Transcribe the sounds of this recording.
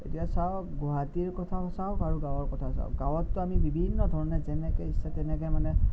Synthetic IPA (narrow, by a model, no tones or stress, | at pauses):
etijasaʊkɡɔɦatiɹkɔtʰasawkaɹuɡawɔɹkɔtʰasa̰ʊ̰k̚ɡawɔtːʊamibibʱinːɔdʱɔɹɔnɛzɛnɛkɛisɛtɛnɛkɛmanɛ